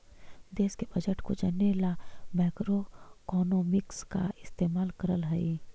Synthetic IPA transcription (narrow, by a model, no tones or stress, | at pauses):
d̪eːskebɐd͡ʒəʈkod͡ʒɐnelamɛːkɾokɔːnoːmɪkska̰ɪst̪eːmaːlkɐɾəlɦɛi